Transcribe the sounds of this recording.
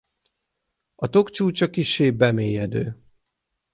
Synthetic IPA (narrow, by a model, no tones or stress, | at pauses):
ɒt̪o̞kt͡ʃuːt͡ʃɒkiʃːeːbɛmeːjɛd̪øː